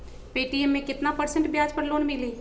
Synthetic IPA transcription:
piːʈiemːẽkɪt̪napəɾsə̃ɳʈbjaːd͡ʒpəɾloːnmɪliː

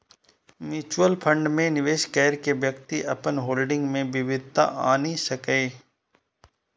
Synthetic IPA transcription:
mjuːt͡ʃuwəlpʰə̃ɳɖmẽnɪʋeːʃkɛːɾkeʋjəkt̪iʔɐpənɦoːlɖɪ̃ŋɡmẽbɪʋɪd̪̚t̪a̰ʔaːnisɐkeː

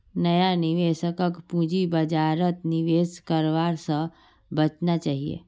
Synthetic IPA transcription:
nəjaniʋeːʃəkəkpud͡ʒibəd͡ʒaːɾət̪niʋeːskəɾʋaːɾsə̃ | bət͡ʃnat͡ʃaːɦiḛː

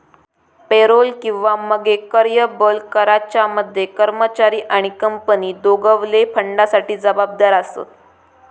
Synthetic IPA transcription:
peɾolkĩw̃ʋaməɡekəɾjəbəlkəɾat͡ɕaməd̪ʱːjekəɾmət͡ɕaɾiːʔaɽ̃ikəmpəniːd̪oɡəʋlepʰəɳɖasaʈiːd͡zəbab̚d̪aɾasə̰t̪

